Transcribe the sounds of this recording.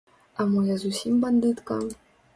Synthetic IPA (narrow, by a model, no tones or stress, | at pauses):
amɨjazusʲimband̪ɨt̪kɑm